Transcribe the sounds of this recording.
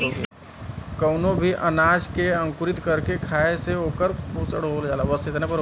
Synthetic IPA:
kɐʊnõbʱiʔɐnaːd͡ʒkeɐ̃ŋkʊɾɪt̪kɐɾkekʰaːeseɦoːkəɾpuːsəɽoːld͡ʒaːlaʋəst̪ɪt̪nẽp̬ɐɾ

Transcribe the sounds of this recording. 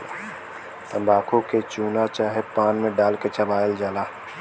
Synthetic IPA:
t̪ə̃mbʱaːkʰõket͡ʃuːnat͡ʃaːɦepaːnmẽɖaːlket͡ʃəbaːəld͡ʒaːlaː

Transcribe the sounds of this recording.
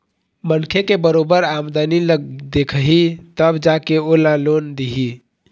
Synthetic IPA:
mənkʰekebəɾobəɾamd̪aniləɡd̪ekʰəɦit̪əbd͡ʒakeolãlond̪iɦi

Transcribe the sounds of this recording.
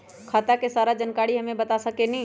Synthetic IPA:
kʰaːt̪akesaːɾad͡ʒənkaːɽiɦɐmẽbət̪asəkenɦĩ

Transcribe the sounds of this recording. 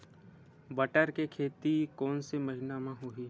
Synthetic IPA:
bɐʈəɾkekʰeːt̪ikɔːnsemɐɦɪnamãɦoɦiː

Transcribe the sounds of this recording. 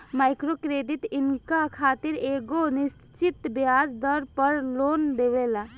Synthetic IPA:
majkɾokɾed̪it̪inkakʰat̪iɾeɡonis | t͡ʃit̪bead͡ʒd̪əɾpəɾlond̪eβela

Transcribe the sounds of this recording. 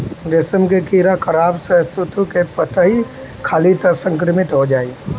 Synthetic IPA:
ɾɪsəmkekiːɾakʰəɾaːbsəst̪ʰut̪ũkepət̪ʰəɦi | kʰaːlit̪əsə̃ŋkɾɪmɪt̪ɦod͡ʒaːi

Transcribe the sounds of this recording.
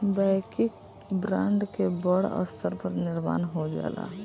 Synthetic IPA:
baɪkik | bɾãɳɖkebəɽə̰st̪ʰəɾpəɾniɾma̰ːnɦod͡ʒa̰la̰

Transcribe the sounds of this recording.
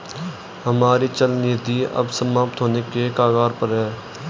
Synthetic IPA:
ɦəmaːɾit͡ʃəlniːd̪iːə̰bsəmaːp̚t̪ɦoːnekekaːɡaːɾpəɾɦɛː

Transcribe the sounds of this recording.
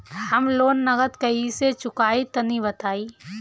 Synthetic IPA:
hɐmloːnːɐɡət̪kɐiset͡ʃʊkaːit̪ɐnibɐt̪aːiː

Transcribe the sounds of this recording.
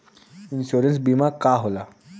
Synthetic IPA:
inɕuɾəns̬bimakaɦola

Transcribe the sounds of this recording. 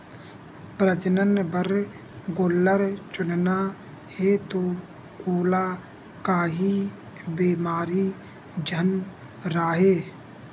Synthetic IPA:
pɾəd͡ʒnənbəɾ | ɡolːəɾt͡ʃʊnna | het̪oː | koːla | kaːɦi | beːmaːɾi | d͡ʒʱən | ɾaːɦeː

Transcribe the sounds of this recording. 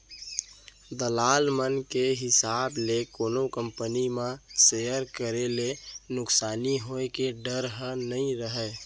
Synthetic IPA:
d̪əlalmənkeɦɪsablekonokəmpənimãsejəɾkəɾelenʊksaːniɦoekeɖəɾɦənəĩɾəɦɛ

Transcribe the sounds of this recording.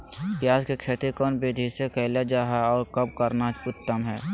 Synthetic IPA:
pjaːd͡ʒkekʰeːt̪ikɔːnbeːd̪ʱisekəɪlad͡ʒaːɦaɔːɾkəb̚kəɾnaʊt̪ːəmɦɛː

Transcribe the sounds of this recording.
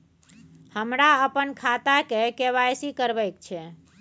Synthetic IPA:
həmɾaəpənkʰat̪akekeβajsikəɾbəjkt͡ʃʰɛ

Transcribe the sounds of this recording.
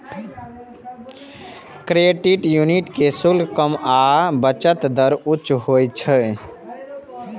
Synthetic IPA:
kɾeɖiʈjuniʈkesulkəmabət͡ʃət̪d̪əɾut͡ʃɦojt͡ʃʰə

